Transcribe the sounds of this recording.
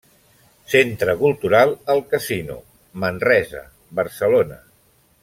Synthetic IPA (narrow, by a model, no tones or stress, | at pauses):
sent̪ɾəkulˠt̪uɾalˠəlˠkəzinṵ | mənrɛzə̰ | βəɾsəlonə